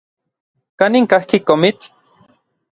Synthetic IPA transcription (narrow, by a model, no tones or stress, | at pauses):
kaniŋkahkikomit͡ɬ